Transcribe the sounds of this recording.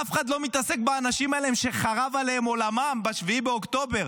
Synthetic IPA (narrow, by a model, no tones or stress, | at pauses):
afeχadlo̞mit̪ase̞k̚baːnaʃimaleemʃe̞χaʁavalehemo̞lamambaʃviibeoktt̪o̞be̞ʁ